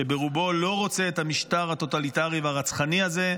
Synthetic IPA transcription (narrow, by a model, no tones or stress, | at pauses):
ebeʁubo̞lo̞ʁo̞t͡se̞ːt̪hamiʃt̪aʁhat̪o̞t̪alit̪aʁiveaʁat͡sχaniaze̞